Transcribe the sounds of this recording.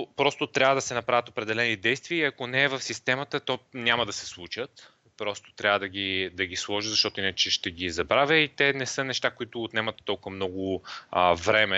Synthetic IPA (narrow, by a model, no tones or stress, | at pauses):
pɾɔst̪ʊt̪ɾʲavəd̪ɐsɛnɐpɾavʲət̪opɾɛd̪ɛlɛnid̪ɛjst̪viəiɐkonɛːvəfsist̪ɛmɐt̪ət̪ɔnʲamɐd̪ɐsɛ̥slˠut͡ʃət̪ | pɾɔst̪o̥t̪ɾʲavəd̪ɐɡʲid̪ɐɡʲislˠɔʒit̪zɐʃt̪ɔt̪ʊinət͡ʃɛʃt̪ɛɡizɐbɾavʲəit̪ɛnɛsɤnɛʃt̪akoit̪ʊːt̪nɛmɐt̪ːɔlˠkvmnɔɡʊ | vɾɛmɛ